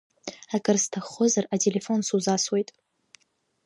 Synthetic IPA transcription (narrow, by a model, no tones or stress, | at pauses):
akʼɨrstʰaχʊzaratʰʼele̞fo̞nsuzaswe̞jtʼ